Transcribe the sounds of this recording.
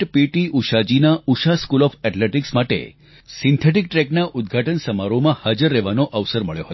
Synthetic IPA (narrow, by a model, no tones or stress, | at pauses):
ʈpiʈiʔuʃad͡ʒinauʃaskulɔfɛʈleʈiksmaʈḛ | sint̪ʰeʈ̬ik̚ʈɾɛknaʔʊd̪̚ɡʱaʈənsəmaɾomãhad͡ʒəɾːɛʋanoʔəʋsəɾməɭjoɦət̪